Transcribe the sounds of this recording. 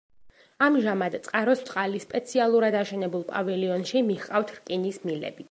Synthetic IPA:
amʒamad̪t̪sʼqʼaɾɔssʼqʼalispʼɛt̪sʰialˠuɾad̪aʃɛnɛbulˠpʼavɛliɔnʃimiχqʼaft̪ʰɾkʼinismilɛ̰bi

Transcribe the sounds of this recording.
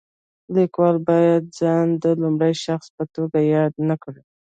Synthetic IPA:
likwɑlbɑjad̪̚zɑnd̪əlʊmɽəjʃaxspət̪oɡajɑd̪nakɽi

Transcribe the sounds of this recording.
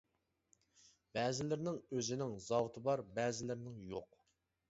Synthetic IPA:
bɛːzɪlɪɾnɪŋøzɪnɪŋzɑwt̪ʰɨbɑɾbɛːzɪlɪɾnɪŋjoq

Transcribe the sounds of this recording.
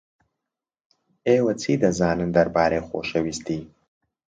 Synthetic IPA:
eːwɐt͡sʰiːd̪ɐzaːnɨnd̪ɐɾbaːɾeːχo̰ːʃɐwist̪ʰiː

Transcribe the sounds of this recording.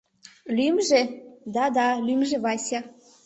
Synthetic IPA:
lymʒed̪ɑd̪ɑlymʒĕβɑsʲɑ

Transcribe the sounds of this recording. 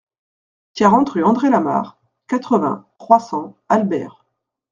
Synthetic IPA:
t̪jaʁɑ̃t̪χyɑ̃d̪ʁelama̰ʁ | kat̪χəvɛ̰̃tχwasɑ̃albɛ̰ːʁ

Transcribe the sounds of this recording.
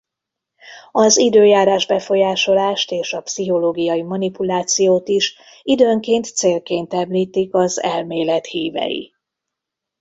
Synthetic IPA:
ɒzid̪øːjaːɾaːʒbɛfo̞jaːʃo̞laːʃt̪eːʃɒpsiɦo̞loːɡijɒjimɒnipulaːt̪sijoːt̪iʃ | id̪øːŋkeːnt̪seːlkeːnt̪ɛmliːt̪ikɒzɛlmeːlɛt̪hiːvɛ̰jḭ

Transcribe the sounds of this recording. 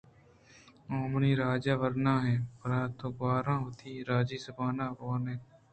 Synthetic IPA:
õːmniːɾaːd͡ʒaːʋəɾnãːɦɛːpəɾaːt̪õːbaːɾãːɦoːt̪ʰiːɾaːd͡ʒiːsəbaːnãːʋoːnɛː

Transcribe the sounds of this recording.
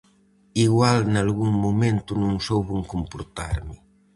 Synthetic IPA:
iɣwalnalɣuŋmumẽnt̪unũŋsowβuŋkompoɾt̪a̰ɾmɪ

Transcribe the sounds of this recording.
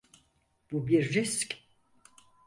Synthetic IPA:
b̥ubiɾːiskʲ

